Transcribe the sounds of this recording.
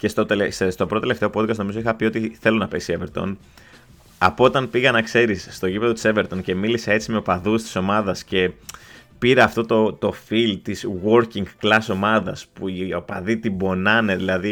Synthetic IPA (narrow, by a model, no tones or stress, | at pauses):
cest̪o̞t̪elesest̪o̞pɾoeleft̪e̞o̞po̞d̪kɐst̪noizo̞ixɐpiot̪iθe̞lo̞nɐpesieveɾt̪o̞̰n | ɐ̰pot̪ɐnpiɣɐnɐkse̞ɾisːt̪o̞cipeðot̪iseve̞ɾt̪o̞nce̞milisee̞t͡sime̞opɐðust̪i̥so̞mɐðɐsce̞ | piɾɐːft̪o̞t̪o̞t̪o̞filt̪izɣwo̞ɾciŋɡklɐso̞mɐðɐspuiopɐðit̪ibo̞nɐne̞ðilɐði